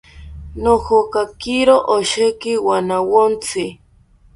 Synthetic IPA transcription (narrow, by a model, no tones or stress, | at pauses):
nohokakiɾoʔoʃekɪwanawont͡sʰɪ